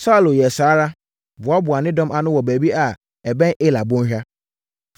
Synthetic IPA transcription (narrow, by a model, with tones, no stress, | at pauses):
sa˦˨lʊ˨jɛ˨saː˨˦ɾa˦ | bʊ˨a˦bʊ˨a˨nɪ̃˦dɔ̃˦mʔa˨nʊ̃˦wɔ˨bæ˨bi˦ʔa˨ | ɛ˨bɛ̃˦nʔe˦la˨bʊ̃˦ɕᶣa˦